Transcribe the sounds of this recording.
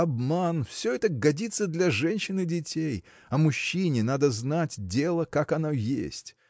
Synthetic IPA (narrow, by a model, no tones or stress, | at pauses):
ɐbmanfsʲɵɛt̪əɡɐdʲit̪sːəd̪lʲɐʐɛnʲɕːɪnɨdʲɪtʲej | ɐmʊɕːinʲɪnad̪əznatʲdʲelˠəkakɐnojḛsʲtʲ